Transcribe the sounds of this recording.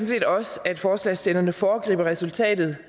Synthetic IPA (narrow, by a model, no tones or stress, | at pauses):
n̩se̝̰ːd̥ɒ̽sæd̥fɒːslɛsd̥enɐnəfɒːɡ̥ʁḭːb̥ɐʁɛsult͡sʰɛ̰ːd̥ð̞̩ˠ